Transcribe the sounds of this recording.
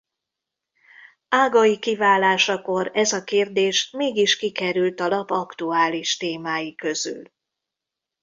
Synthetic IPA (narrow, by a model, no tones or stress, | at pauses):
aːɡɒjikivaːlaːʃɒko̞ɾɛzɒkeːrd̪eːʃmeːɡiʃkikɛɾylt̪ɒlɒpɒkt̪uaːliʃt̪eːmaːjikø̞zy̰l